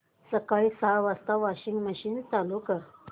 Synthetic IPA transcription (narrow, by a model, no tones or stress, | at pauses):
səkajsaʋast̪aʋaɕiŋɡməɕiːnt̪alukə